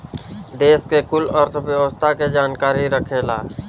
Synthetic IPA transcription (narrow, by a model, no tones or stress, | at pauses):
d̪eːskekʊləɾt̪ʰʋjəʋəst̪ʰaked͡ʒaːnkaːɾiɾəkʰeːlaː